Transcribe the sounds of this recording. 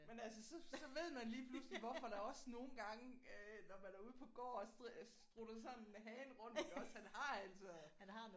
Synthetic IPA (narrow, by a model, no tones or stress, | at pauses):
menælsəsɒ̽sɒ̽ʋe̝ð̞̰ˠmænliːpʰlusliʋɒfɒd̥ɑ̈ɒ̽sno̝ːn̩ɡ̥ɑ̈ŋəønɒmænæɐuð̞̩̰ˠpʰɒ̽ɡ̥ɒ̰ːssd̥ʁud̥ɐsɒ̽nnenɦɛːnʁɔ̽n̰dɒshænhɑ̈æl̰sʰɒɑ